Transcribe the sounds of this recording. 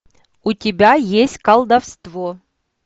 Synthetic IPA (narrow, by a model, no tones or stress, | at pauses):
ʊtʲɪbʲajesʲtʲkɐlˠd̪ɐfst̪vo